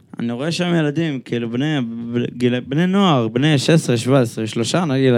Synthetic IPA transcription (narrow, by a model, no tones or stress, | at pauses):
a̰niʁoeʃamjelad̪imkʰilubnebɡilbnenoaʁbneʃesʁeʃvaesʁeʃlo̞ʃanaɡid̪